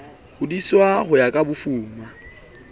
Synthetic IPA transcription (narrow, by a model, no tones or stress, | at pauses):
hʊdiswaχʊjakʼabʊfuːma